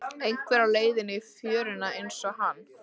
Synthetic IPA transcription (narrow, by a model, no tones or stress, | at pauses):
ejŋkʰvɛɾaleːjðɪnɪfjœːɾɪnaejnsɔhanː